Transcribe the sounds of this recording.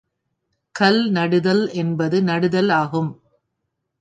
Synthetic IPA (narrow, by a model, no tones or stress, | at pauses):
kɐlnɐɽɯðɐlɛnbɐðɯnɐɽɯðɐlaːɣɯm